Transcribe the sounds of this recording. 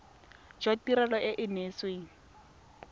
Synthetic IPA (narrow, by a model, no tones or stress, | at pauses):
d͡ʒwatiɾɛlɔʔɪʔɪneːsweŋ̩